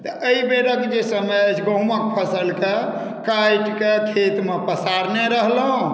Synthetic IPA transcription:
t̪əəibeɾəkd͡ʒesəmət͡ʃʰɡə̃ɦmək̚pʰəsəlke | kajʈkekʰet̪mepəsaɾneɾəɦlɦũ

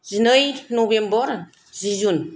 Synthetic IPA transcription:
zinɯjnuβembɔɾ | zizun

